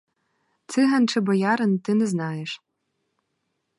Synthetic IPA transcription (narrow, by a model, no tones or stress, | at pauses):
t͡sʰɨɦɐnʈ͡ʂʰɐbɐjaːɾɨntɨnɨznaːjɛʂ